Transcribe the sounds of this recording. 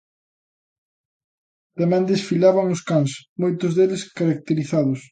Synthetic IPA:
t̪amɛ̃nd̪esfiʎaβaŋʊskaŋsmojt̪ʊzðeleskaɾak̚t̪eɾiθaðʊs

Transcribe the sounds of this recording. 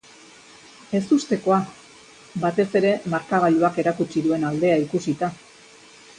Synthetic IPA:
e̞sust̪e̞ko̞a | bat̪e̞se̞ɾe̞maɾkaβ̞aluake̞ɾakut͡ʃiðue̞nald̪e̞aikusit̪a

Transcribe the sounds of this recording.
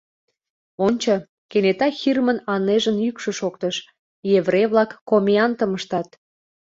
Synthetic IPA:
onʲt͡ɕə | kenet̪ɑxirmənɑneʒənjykʃə̆ʃokt̪əʃ | jeβrejβlɑkːomʲiɑnt̪əməʃt̪ɑt̪

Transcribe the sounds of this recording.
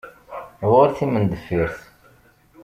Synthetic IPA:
wʊɾθimənd̪əfiɾθ

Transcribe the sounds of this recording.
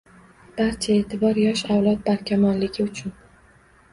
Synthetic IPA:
b̥aɾt͡ʃʰae̞ːt̪ʰɪbɒɾjɒʃawlˠɒt̪̚baɾkʲʰamɒnlɪɡʲɪʊt͡ʃʰʊn

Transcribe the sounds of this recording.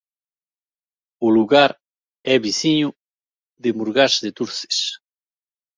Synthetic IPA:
uluɣaɾ | ɛβiθiɲu | ðemuɾɣazðet̪uɾθe̥s

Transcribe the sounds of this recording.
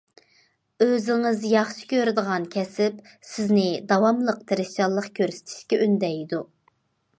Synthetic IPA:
øzɪŋɪzjɑχʃi̥kʲʰøɾd̪əʁɑnkʲʰɛsɪp | sɪznɪd̪ɑwɑmlˠəqt̪ʰɨɾɪst͡ʃɑlˠːəqkʲʰøɾsɪ̥t̪ʰɪ̥ʃkʲɛʔynd̪ɛjd̪u

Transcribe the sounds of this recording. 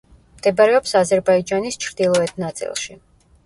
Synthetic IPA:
md̪̥ɛbaɾɛɔpsazɛɾbaid͡ʒanist͡ʃʰɾd̪ilˠɔɛt̪ʰnat̪sʼḭlˠʃi

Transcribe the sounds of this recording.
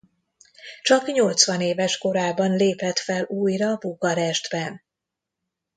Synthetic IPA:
t͡ʃɒkɲo̞lt̪sʋɒneːvɛʃko̞ɾaːbɒnleːpɛt̪fɛluːjrɒbuɡɒɾɛʒd̪bɛn

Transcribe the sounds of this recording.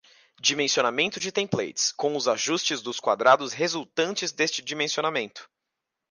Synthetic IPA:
d͡ʒimẽsionamẽnt̪ʊd͡ʒɪt̪ẽplḛjt͡ʃɪ̥skõw̃ʊzaʒust͡ʃɪzd̪ʊskwa̰d̪ɾad̪ʊsɦezult̪ɐ̃nt͡ʃɪzd̪est͡ʃɪd͡ʒimẽsionamẽnt̪ʊ̥

